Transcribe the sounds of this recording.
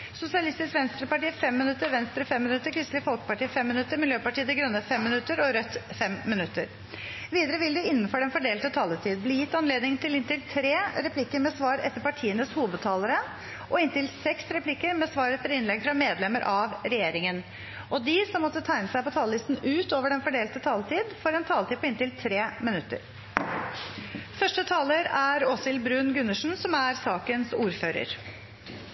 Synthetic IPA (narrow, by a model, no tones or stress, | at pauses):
sʊsɪɑlɪst̪ɪskʋɛnst̪ɾəpɑʈiːfɛmːɪnʉt̪ːəɾʋɛnst̪ɾəfɛmːɪnʉt̪ːəɾkʰɾɪslɪfɔlˠkə̥pɑʈiːfɛmːɪnʉt̪ːəɾmɪljøːpɑʈʰiːəd̪ɛɡɾœnːəfɛmːɪnʉt̪ːəɾɔɾœt̪ːfɛmmːɪnʉt̪ːəɾ | ʋiːd̪əɾəʋɪld̪ʉɪnːn̩fɔɖɛnfɔɖeːlt̪ɔt̪ʰɑːlət̪ʰiːd̪̚bliːjɪt̪ːɑnleːd̪nɪŋt̪ʰɪlɪnt̪ɪlt̪ʰɾeːɾɛpʰlɪkːəɾmɛsʋɑːɾɛ̰t̪ːəɾpɑʈʰiːənəshuːʋəd̪̚t̪ʰɑːləɾə | ʔɔɪnt̪ɪlsɛksɾɛplɪkːəɾmɛsʋɑːɾɛt̪ʰːəɾɪnlɛɡfɾɑmeːd̪lɛməɾʔɑʋɾɛjeːɾɪŋən | ʔɔd̪ɪsɔmːɔt̪ːət̪ʰæɪnəsæɪpɔt̪ʰɑːləlɪst̪n̩ʉːt̪oːʋəɖɛnfɔɖeːlt̪ət̪ʰɑːlt̪ʰiːd̪fɔɾɛnt̪ʰɑːlt̪i̥ːpɔɪnt̪ɪlt̪ʰɾeːmɪnʉt̪ːə̰ɾ | fœʂʈət̪ʰɑːləɾæɾɔsɪlbɾʉnɡʉnːəʂn̩sɔmæɾsɑːkənsuːɾføːɾə̰ɾ